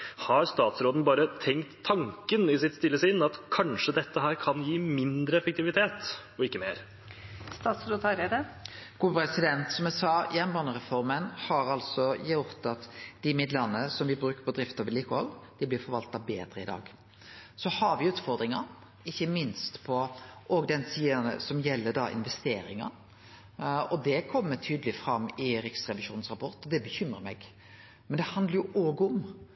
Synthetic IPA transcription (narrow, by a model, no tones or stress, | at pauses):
hɑɾst̪ɑːt̪sɾoːd̪n̩bɑːɾət̪ʰɛŋkt̪ʰːɑŋkənɪsɪt̪st̪ɪlːəsɪnɑt̪kʰɑnʂəd̪ɛt̪ːəɦæːɾkʰɑnjiːmɪnd̪ɾəɛfək̚t̪ɪʋɪt̪ʰeːt̪ | ɔɪkːəmeːɾ | st̪ɑːt̪sɾoːd̪ɑɾed̪əɡ̥uːpʰɾɛsɪd̪ɛnt̪sɔmɛsɑjɛnbɑnəʁɛfɔɾmənhɑɾɑlsɔjʊɾt̪ɑt̪d̪̥ɪmɪd̪lənːəsɔmʋɪbɾʉːkəɾpʰɔd̪ɾɪft̪ɔʋəliːkəhɔld̪̥ɪblɪɾfɔɾʋɑlt̪ɑbeːd̪ɾəɪd̪ɑ̰ːɡ | sɔhɑɾʋɪʉːt̪fɔɾd̪ɾɪŋɑ | ɪçːəmɪnst̪pʰɔʔɔɡd̪ɛnsiːənə̰sɔmjɛlːəd̪ɑʔɪ̰nʋɛst̪eːɾɪŋɑ̰ | ɔd̪ɛkʰɔmːət̪ʰyːd̪əlɪfɾɑmːɪɾɪksɾɛʋɪʃuːnn̩sʁɑpʰɔɾt̪ɔd̪ɛbəçʏmɾəɾmɛɡ | mɛnd̪ɛhɑnd̪ləɾjʊʔoːɡʊm